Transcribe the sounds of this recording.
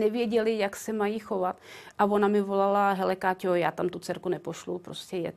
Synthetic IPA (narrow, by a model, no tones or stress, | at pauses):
nɛvjɛɟɛlɪjaksɛmajiːxovat̪ʔavo̞namɪvo̞lalaɦɛlɛkaːcojaːt̪amt̪ut͡sɛɾkunɛpoʃlupɾo̰scɛjɛ